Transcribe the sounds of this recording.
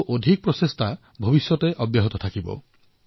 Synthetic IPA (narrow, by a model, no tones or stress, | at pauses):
ʔod̪ʱik̚pɾɔsest̪ʰa | bʱobisjɔt̪eʔɔbjaɦɔt̪ɔt̪ʰakibɔ̰